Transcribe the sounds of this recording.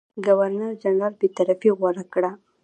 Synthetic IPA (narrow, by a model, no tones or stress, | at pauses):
ɡawaɾnaɾd͡ʒanɾɑlbet̪aɾafiɣɔɾakɽa